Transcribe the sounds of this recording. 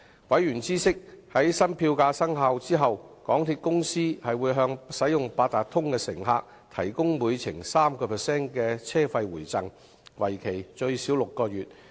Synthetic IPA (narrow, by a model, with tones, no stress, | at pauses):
wɐ˨˥jɥyː˨˩nt͡siː˥sɪ˥k̚hɐ˨˥jsɐ˥npʰiː˧wkaː˧sɐ˥ŋɦaː˨˧wt͡siː˥ɦɐ˨wkɔː˨˥ŋt̪ʰiː˧t̚kʊ˥ŋsiː˥hɐ˨jwuː˨˧jɦœː˧ŋsɐ˨˥jʊ˨ŋpaː˧t̚t̪aː˨k̚t̪ʰʊ˥ŋkɛː˧sɪ˨˩ŋɦaː˧k̚ | t̪ʰɐ˨˩jkʊ˥ŋmuː˨˧jt͡sʰɪ˨˩ŋsaː˥mkɔː˧pʰɛ˨˩sɛː˥nkɛː˧t͡sʰɛː˥fɐ˧jwuː˨˩jt͡sɐ˨˩ŋ | wɐ˨˩jkʰe˨˩jt͡ʃɵ˧ɥsiː˨˥wlʊ˨kːɔː˧ɥyː˨t̚